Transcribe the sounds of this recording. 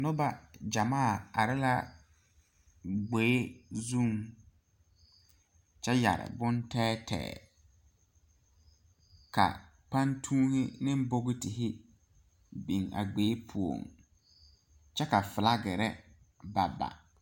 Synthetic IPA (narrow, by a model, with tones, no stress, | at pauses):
nʊ˦ba˨d͡ʒa˨maː˦˨a̰˨ɾɪ˦la˦ | ɡ͡be˨˦zu˦˨ŋ | t͡ʃɛ˦ja̰˨ɾɪ̰˨bʊ˦ntɛː˦tʰɛ̰ː˨ | ka̰˨ | pa˦ntʰuː˦hɪ˦nɪ˦m˦bo˦ɣɪ˦tɪ˨ɦɪ˦ | bi˨ŋa̰˨ɡ͡be˨˦pʰu˨o̰˨ŋ | t͡ʃɛ˦ka˨fɪ˨la˦ɡɛ˨ɾɛ˦ | ba˨ba̰˨